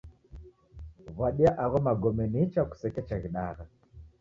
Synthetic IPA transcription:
vaɗiaʔaɣɔmaɡɔmɛnit͡ʃaku̥sɛkɛt͡ʃaɣiɗa̰ɣa

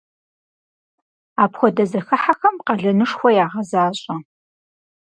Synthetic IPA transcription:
aːpxʷɔdɐzɐxɐħaxɐmqɐɮɐnɨʂxʷɔjaːʁɐzaːɕʼɐ

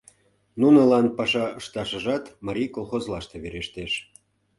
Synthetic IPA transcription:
nunə̆lɑnpɑʃɑəʃt̪ɑʃəʒɑt̪mɑɾʲijkolˠxozlɑʃt̪eβeɾeʃt̪eʃ

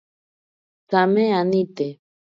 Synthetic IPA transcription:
t͡sameanit̪e

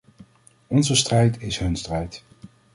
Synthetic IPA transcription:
ɔnzəstrɛjtɪsɦɵnstrɛjt

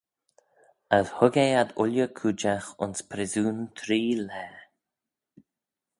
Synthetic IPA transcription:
əðhʊɡɛad̪ʊlʲjəkʰud͡ʒaxʊ̰nspʰɾɪzuːnt̪ʰɾiːlɛː

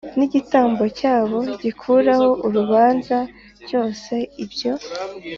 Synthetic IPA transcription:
niɟitaːmbo̞caːβo̞ɟikʰuɾaho̞ʔuɾuβaːnza | ɾjo̞ːse̞ibɟo̞

